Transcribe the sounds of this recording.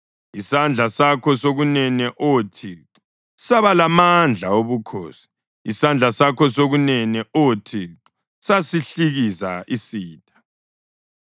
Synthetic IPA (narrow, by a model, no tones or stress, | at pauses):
isand͡ɮʱasakʰɔsoɣunɛnɛʔotʰi | saβalamand͡ɮʱaoβukʰo̰ːsi̥ | isand͡ɮʱasakʰɔsoɣunɛnɛʔotʰi | sasiɬiɣisa̰isiːtʰʼḁ